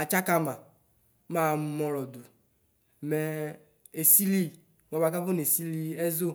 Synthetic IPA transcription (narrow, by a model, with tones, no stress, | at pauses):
a˨t͡ʃa˦ka˦m˦a˨˦ | ma˦˨˦mɔ˨ɾɔ˨du˨ | mɛ˨ | e˨si˦li˦ | m˨ɔ˨ba˨ka˦vo˦n˨e˨si˦li˧ɛ˦zo˦